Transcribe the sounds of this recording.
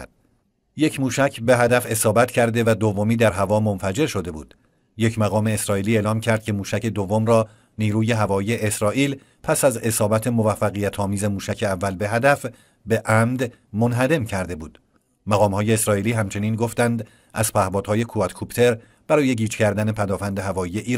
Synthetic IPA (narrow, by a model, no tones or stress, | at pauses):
je̞cʰmuːʃæcʰbe̞ɦæd̪æfe̞sɒːbæt̪cʰæɾd̪e̞væd̪ovːo̞miːd̪æɾɦævɒːmo̞nfæd͡ʒe̞ɾʃo̞d̪e̞bṵːd̪̥ | je̞cʰmæɣɒːme̞ːsɾɒːʔiːliːeːlɒːmcʰæɾd̪̚cʰe̞muːʃæcʰe̞d̪ovːo̞mɾɒː | niːɾuːje̞ɦævɒːije̞ʔesɾɒːʔiːl | pʰæsæze̞sɒːbæt̪ʰe̞movæfːæɣijæt̪ʰɒːmiːze̞muːʃæcʰe̞ævːælbe̞ɦæd̪æf | be̞ʔæmd̪ | monɦæd̪e̞mcʰæɾd̪e̞buːd̪̥ | mæɣɒːmhɒːje̞ːsɾɒːiːliːɦæmt͡ʃʰe̞niːnɡoft̪ænd̪ | ʔæz̥pʰæhbɒːd̪̥hɒːje̞kʰuæt̪kʰupt̪ʰe̞ɾ | b̥æɾɒːje̞ɟiːt͡ʃcʰæɾd̪æne̞pʰæd̪ɒːfænd̪e̞ɦævɒːije̞ʔiːɾ